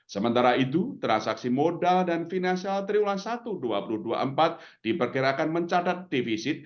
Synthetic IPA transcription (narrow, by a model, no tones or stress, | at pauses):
səmənt̪aɾait̪̬ut̪ɾansaksimodaldanfinansialt̪ɾiulasat̪udua̰puluhdua̰ʔəmpat̪̚ | d̥ipərkiɾakanməɲt͡ʃad̪at̪̚defisɪt̪̚